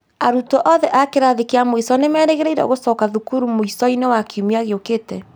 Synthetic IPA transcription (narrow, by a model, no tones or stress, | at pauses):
aɾutɔʔɔðɛʔakeɾaðekeamoisɔnemɛɾeɣeɾaiɾa̰o̰ɣosɔkaðukuɾumoisɔinewakiumiaɣeoketɛ